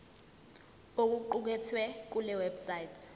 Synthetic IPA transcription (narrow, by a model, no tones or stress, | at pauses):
ok̬uǃuk̬ɛtʰwɛk̬ulɛwɛbsajitʰ